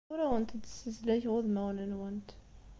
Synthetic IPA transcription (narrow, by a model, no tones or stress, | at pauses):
ɾæwənt̪əd̪səzlæçʁʊðmæwnənwənt̪